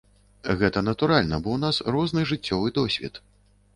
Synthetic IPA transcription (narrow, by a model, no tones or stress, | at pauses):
ɣɛt̪ɐnɐt̪uɾalʲnɐbɔwn̪asrɔznɨʐɨt͡sʲːɔvɨd̪ɔsʲvʲɛ̰t̪